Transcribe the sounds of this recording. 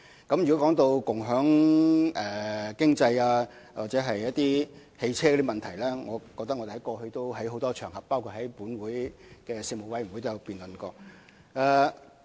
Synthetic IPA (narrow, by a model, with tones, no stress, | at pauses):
kɐ˨˥mjy˨kɔ˨˥kɔː˨˥ŋt̪o˧wkʊ˨ŋɦœː˨˥ŋʔɛː˨˩kɪ˥ŋt͡sɐ˧jaː˧ | waː˨˩t͡sɛː˨˧˥ɦɐ˨jːɐ˥t̚t̪iː˥ | he˧jt͡sʰɛː˥ɡɔ˧˥t̪i˥mɐ˨nt̪ʰɐ˨˩jlɛː˥ŋɔː˨˧kɔː˧k̚t̪ɐ˥k̚ŋɔ˨˧de˨˩hɐ˨˦jkɔː˧hɵ˧ɥt̪o˥wɦɐ˨˥jɦo˨˥wt̪ɔː˥t͡ʃʰœː˨˩ŋhɐ˨pːaː˥wkʰuː˧t̚hɐ˨˥jpuː˨˥nwuː˨˥jkɛː˧si˧mo˨˩wɐ˨jm˨˩wu˨˥t̪o˥jpiː˨nlə˨nkɔː˧k̚ | aː˧